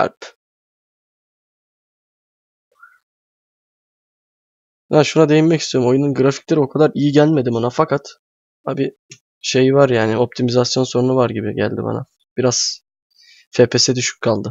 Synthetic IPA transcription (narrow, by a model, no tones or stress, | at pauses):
æ̰p | banʃunad̪e̞jinmɛcʰist̪ʰioumo̞jununɡɾaficlʲe̞ɾio̞kʰad̪aɾijiɟælʲme̞d̪ibanafakʰat̪ | a̰bi | ʃe̞jvaɾjaːnɪo̞p̚t̪ʰimizasjo̞nso̞nunuvaɾɟibiɟæ̰lʲd̪ḭba̰na̰ | b̥iɾaz̥ | fepʰesɛd̪yʃy̥c̚kʰːalˠd̪ɯ